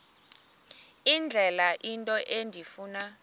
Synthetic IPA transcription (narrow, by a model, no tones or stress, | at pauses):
ind͡ɮʱɛlaʔintʼɔʔendʱifuːna